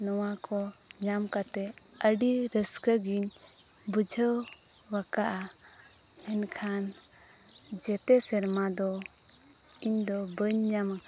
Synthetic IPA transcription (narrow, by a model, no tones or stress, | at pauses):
nɔwakɔ | ɲamkat̪ɛ | əɖiɾəskəɡiɲ | bud͡ʒʱəw | wakaʔa | ɛnkʰan | d͡ʒɛt̪ɛsɛɾmad̪ɔ | iɲd̪ɔbəɲɲama